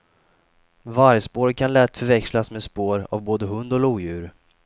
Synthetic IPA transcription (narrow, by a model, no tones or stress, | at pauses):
vaɾjəspoːɾkʰanlɛt̪fœɾvɛkslasmeɛːspoːɾa̰vboːd̪əɦɵnd̪ɔluːjʉ̟ːɾ